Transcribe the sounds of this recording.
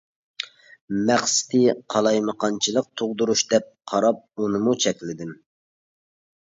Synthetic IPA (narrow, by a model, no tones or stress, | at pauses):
mæχsɪ̥t̪ʰɪqʰɑlˠɑjməqʰɑnt͡ʃʰilˠəq̚t̪ʰoʁd̪uɾuʃd̪ɛp̚qʰɑɾɑp̚unɨmut͡ʃʰɛkʲlɪd̪ɪm